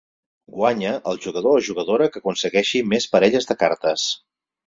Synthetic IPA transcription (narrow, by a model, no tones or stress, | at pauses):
ɡwaɲəʔəlˠʒuɣəðoəʒuɣəðoɾəkəkunsəɣɛʃimespəɾɛʎəzðəkaɾt̪əs